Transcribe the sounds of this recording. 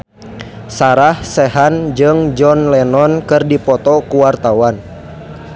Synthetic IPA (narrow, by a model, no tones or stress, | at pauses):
saɾahsɛɦand͡ʒɨŋd͡ʒɔnlɛnɔnkɨrdipɔt̪ɔkuwart̪awan